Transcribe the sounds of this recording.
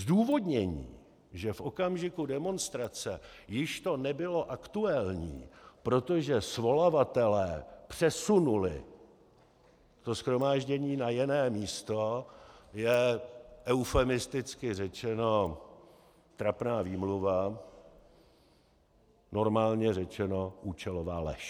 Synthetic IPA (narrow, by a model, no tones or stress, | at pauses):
zduːvo̞dɲɛɲḭː | ʒɛfʔo̞kamʒɪkudɛmo̞nst̪ɾat͡sɛjɪʃt̪o̞nɛbɪlo̞ʔakt̪ualɲḭːpɾo̞t̪o̞ʒɛsvo̞lavat̪ɛlɛːpr̝̥ɛsunulɪ̰ | t̪osxɾo̞maːʒɟɛɲiːnajɪnɛːmiːst̪o̞jɛʔɛwfɛmɪst̪ɪt͡skɪrɛt͡ʃɛno̞ | t̪ɾapnaːviːmluva | no̞ɾmaːlɲɛrɛt͡ʃɛnoʔuːt͡ʃɛlovaːlɛ̰ʃ